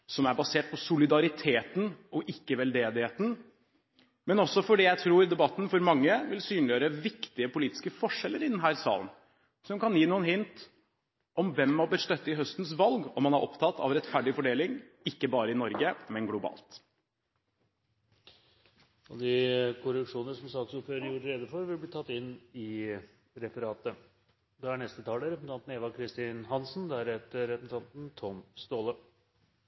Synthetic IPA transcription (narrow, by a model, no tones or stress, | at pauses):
sɔmæɾbɑseːʈ̚pʰɔsʊlɪd̪ɑɾɪt̪ʰeːt̪n̩ɔʔɪkːəʋɛld̪eːd̪ɪheːt̪n̩ | mɛnɔsːɔfɔɖijæɪt̪ʰɾuːɾd̪ɛbɑt̪ːn̩fɔɾmɑŋːəʋɪlsyːnlɪjøːɾəʋɪkt̪ɪəpʊliːt̪ɪ̥skəfɔʂɛlːəɾɪd̪ɛnɦæːɾsɑ̰ːlən | sɔmkɑnjiːnuːənɦɪnt̪ | ʔɔmʋɛmːɑb̪əɾst̪œt̪ːəɪɦœst̪n̩sʋɑlɡɔmːɑnɑɾʔɔpt̪ʰɑt̪ːɑ̰ʋɾɛt̪fæɖɪfɔɖeːlɪŋ | ɪkːəbɑːɾəɪnɔɾɡəmɛnɡlʊbɑ̰ːlt̪ | ɔd̪ɪkʰʊɾəkʂuːnənəʂsɔmsɑːksuːɾføːɾəjuɾəɾɛːd̪əfɔɾʋɪlbliːt̪ʰɑt̪ːɪnɪ | ɾɛfəɾɑːt̪ə | d̪ɛæɳɛst̪ət̪ʰɑːləɾɛpsn̩ʰɑnt̪n̩eːʋɑkʰɾɪst̪iːnhɑnsnd̪ɛæɾhɛt̪əɾɛpəsn̩ʰɑnt̪n̩t̪ʰɔmst̪oːlə